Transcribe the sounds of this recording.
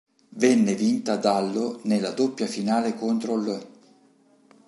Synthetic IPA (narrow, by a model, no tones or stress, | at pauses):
vɛnːevint̪ad̪alːonelːad̪opːjafinaːlekont̪ɾolø